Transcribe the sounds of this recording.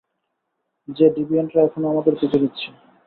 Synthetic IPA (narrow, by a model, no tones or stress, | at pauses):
d͡ʑeɖibienʈɾaɛkʰonoamad̪eɾpit͡ɕʰenitːɕʰe